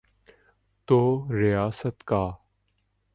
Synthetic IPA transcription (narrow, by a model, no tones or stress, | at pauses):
t̪oːɾɪjaːsət̪kaː